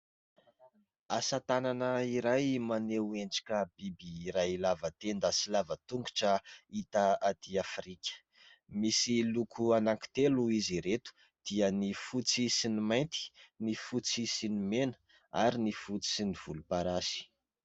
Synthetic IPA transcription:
asat̪ananəiɾajmaneuenɖ͡ʐḁkʲəb̥ibiːɾajlavət̪end̪asilavət̪uŋɡu̥ʈ͡ʂəit̪aat̪iafɾikʲə̥ | misilukʰuanaŋki̥t̪eluiziɾet̪u̥ | d̪̥iənifut͡sisinimajnt̪i̥nifut͡sisinimenə̥ | a̰ɾinifut͡si̥siniv̥ulupaɾasi̥

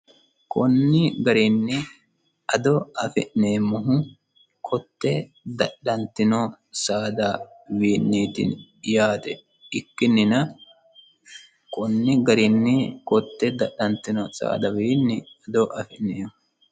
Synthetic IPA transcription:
kʰɔnːɪɡɐɾɪnːɪ | ɐd̪ɔɐfɛ̰ʔneːmːʊɦʊ | kʰɔt̪ːɛ | d̪ɐɗːɐnt̪ːɪno | saːd̪ɐ | wiːnːiːt̪ḭn | jaːt̪ɛ | ɪkːɪnːɪnɐ | kʼɔnːɪɡɐɾɪnːɪkɔt̪ːɛd̪ɐɗːɐnt̪ːɪnɔsa̰ːd̪ɐwiːnːɪɐd̪ɔʔɐfɛʔneːmʊ

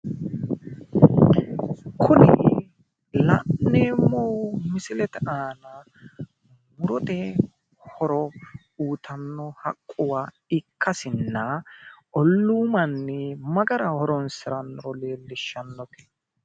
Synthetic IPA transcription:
kʰʊnɛ̰ | lɐ̰ʔneːmːowmɪsɪlɛt̪ɛʔaːnɐ | mʊɾɔt̪ɛ | hɔɾɔ | uːt̪ʰɐnːɔhɐkʼːʊwaː | ɪkʰːɐsɪnːɐʔɔlːuːmɐnːɛmɐɡɐɾɐhɔɾɔnsɪɾɐnːɔɾɔle̞ːlːɪʃːɐnːɔke̥

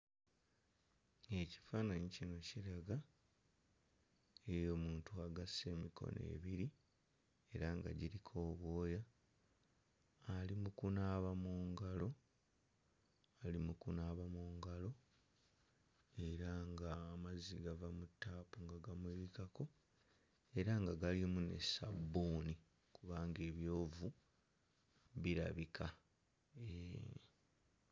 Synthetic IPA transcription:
e̞ci̥faːnaɲicino̞ciɾaɡa | ejo̞ːmuːntuaɡasːe̞ːmikʰo̞̰nḛβiɾi | e̞ɾaŋɡa̰ɟiɾikʰo̞ːβwo̞ːja | alimukunaːβamuːŋɡalo̞ | alimukunaːβamuːŋɡalo̞ | e̞ɾaŋɡaːmaziɡavamutːaːpuŋɡaɡamwiβikako̞ | e̞ɾaŋɡaɡalimunḛsabːuni | kuβaːŋɡe̞ːβjo̞ːvu | βiɾa̰βikʰa | e

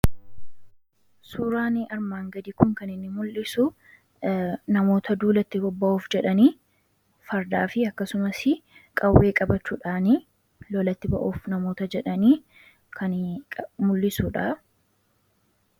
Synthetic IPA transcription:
suːɾaːniʔɐɾmaːŋɡɐd̪ikʊŋkɐnɪnːɪmʊlːɪsʊ | nɐmo̞ːt̪ɐd̪uːlɐt̪ːɪbɔbːɐʔuːfd͡ʒɛᶑɐniː | fɐɾd̪aːfɪɐkːɐsʊmɐsɪkʼɐwːe̞ːkʼɐbɐt͡ʃːuːᶑaːni | lɔlɐt̪ːɪbɐ̰ʔuːfnɐmo̞ːt̪ɐd͡ʒɛᶑɐniː | kʰɐnʼmʊlːɪsʊᶑɐ

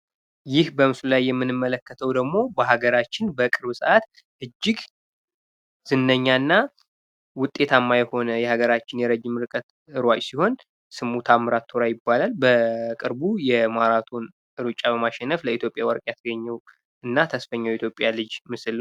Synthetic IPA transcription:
jɪhbəmɨslulajːɛmːɨnɨmːələkːət̪ʰəwd̪əɡmo̞bəɦaɡəɾat͡ʃːɪnbəkʼɨɾβɨsɨʔat̪ | ʔɨd͡ʒːɪɡ | z̥ɨnːəɲːanːa | wʊt̪ʼːe̞t̪ʰamːajɛho̞nəjɛhaɡəɾat͡ʃːɪnjɛɾəd͡ʒɪmɨɾkʼət̪ | ɨɾwat͡ʃʼsiho̞n | sɨmut̪ʰamɨɾat̪ʰːoɾajɪbːalalbəkʼɨɾbujɛmaɾat̪ʰon | ʔɨɾut͡ʃʼabəmaʃɛnːəfləit̪jo̞pʼjawəɾkʼjat̪ʰəɡəɲːɛw | ɨnːat̪ʰəsfəɲːawjɛit̪ʰjo̞pʼːjalɨd͡ʒmɨsɨl

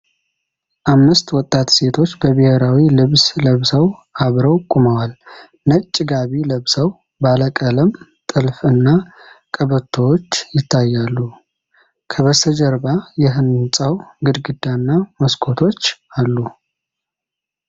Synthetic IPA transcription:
ʔamːɨst̪wɔt̪ʼːat̪se̞t̪ʰo̞t͡ʃːbəβɨheɾawilɨβsləβsəwʔaβɾəwkʼuməwal | nət͡ʃʼːɪɡaβiləβsəw | baləkʼələm | t̪ʼɨlfɨnːakʼəβət̪ʰːowot͡ʃːjɪt̪ʰːajːalːu | kʰəβəsəd͡ʒəɾbajɛɦɨnsʼəwɡɨd̪ɡɨd̪ːanːaməskʰo̞t̪ʰo̞t͡ʃːalːu

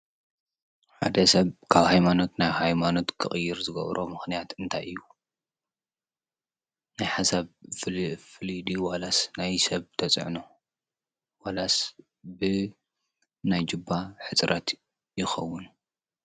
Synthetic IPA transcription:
ħa̰d̪ɐsɐβkʰaβhajmano̞t̪najhajmano̞t̪kʰɨχʼɨjːɪɾzɨɡɐ̰βɾʔo̞̰mɨxnijat̪ɨnt̪ʰajʔɨjːu | najħasaβ | fɨlid̪iwalasnajsɐβt̪ʰɐt͡sʼʕno | walas | bɨ | najd͡ʒɨbːaħɨt͡sʼɾɐt̪ | jɪxɐwːʊn

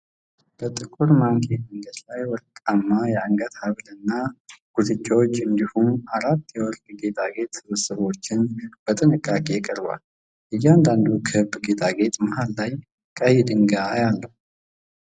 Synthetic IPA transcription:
b̥ət̪ʼɨkʼːuɾmaŋkʰeməŋɡəd̪lajwɔd̪kʼamːajɛaŋɡət̪haβlɨnːaɡ̥uzɨt͡ʃʼːawot͡ʃːɨnd̪ihumaɾat̪ːjɛwɔɾd̪ɡe̞t̪ʼaɡe̞t̪sɨβɨsəβo̞t͡ʃːɪnb̥ət̪ʼɨnɨkʼːakʼe̞kʼəɾba̰l | ʔɨjːɛand̪and̪ukʰəhɨbːɡe̞t̪ʰʼaɡe̞t̪ʼmahalːaj | kʼəhid̪ɨŋɡajalːəhu

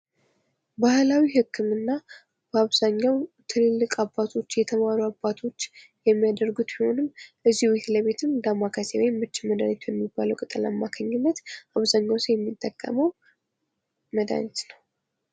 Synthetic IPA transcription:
bahlawihɨkʰːɨmɨnːa | b̥əaβzaɲːawt̪ʰɨnɨlːɨkʼabːat̪ʰo̞t͡ʃːjɛt̪ʰəmaɾuabːat̪ʰo̞t͡ʃː | jɛmːijad̪əɾɡut̪biho̞nɨmʔɨzːihwet̪ləβe̞t̪ʰɨnd̪amːakʰasewemːɨt͡ʃːɪməd̪aɲɛt̪bɛmːibːaləwkʼɨt̪ʼɨla̰mːakʰəɲːɪnːət̪ʔaβzaɲːawsəjɛmːit̪ʼːəkʼːə̰məw | məd̪a̰ɲɛt̪nəw

